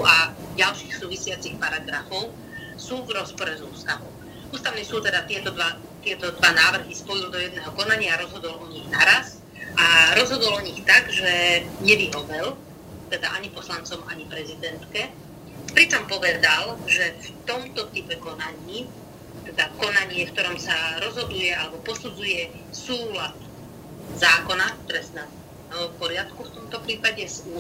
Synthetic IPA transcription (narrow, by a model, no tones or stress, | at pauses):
aɟalʃiːxsuːʋisɪat͡sixpaɾaɡɾafɔʊ | suːvɾɔspɔɾɛzuːst̪aʋɔ | uːst̪aʊnisuːt̪ɛd̪at̪ɪɛt̪ɔd̪ʋa | t̪ɪɛt̪ɔd̪ʋanaːʋr̩ɦispɔjild̪ɔjɛd̪nɛːɦɔkɔnaɲɪaːɾɔzɦɔd̪ɔlɔɲiɣnaɾas | ʔaɾɔzɦɔd̪ɔlɔɲixt̪aɡʒɛɲɛʋiɦɔʋɛl | t̪ɛd̪a̰ʔaɲipɔslant͡sɔmaɲipɾɛzid̪ɛnt̪kɛ | pɾit͡ʃɔmpɔʋɛd̪alʒɛft̪ɔmt̪ɔt̪ipɛkɔnaɲiː | t̪ɛd̪akɔnaɲɪɛfkt̪ɔɾɔmsaɾɔzɦɔd̪ujɛalɛbɔpɔsud͡zujɛ | suːlat̪ | zaːkɔnak̚t̪ɔɾɛsnɛ | ɛɦɔpɔɾɪat̪kuft̪ɔmt̪ɔpɾiːpaɟɛzu